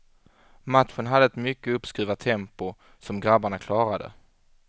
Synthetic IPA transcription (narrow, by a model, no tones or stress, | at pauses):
mat̪ɧənɦad̪ːəɛt̪mʏkːəɵpskɾiːvat̪ʰɛmpʊ | sɔmɡɾabaɳakʰlɑːɾad̪ə̰